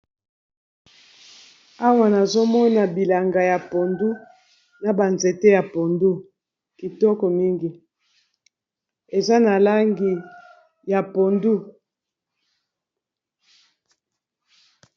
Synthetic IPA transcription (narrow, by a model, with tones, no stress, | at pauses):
a˦wa˨na˨zo˦mɔ˦na˨bi˨la˨ŋɡa˨ja˨po˨ndu˦ | na˨ba˨nze˨te˦ja˨po˨ndu˦ | ki˨tɔ˦kɔ˨mi˦ŋɡi˨ | e˨za˦na˨la˦ŋɡi˨ | ja˨po˨ndu˦